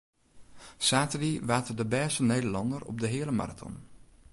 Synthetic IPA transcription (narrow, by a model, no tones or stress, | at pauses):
saːtəriʋaːtədəbɛːsənejdəlɑndərɔ̰b̚dəɦɪələma̰ratʰɔ̰n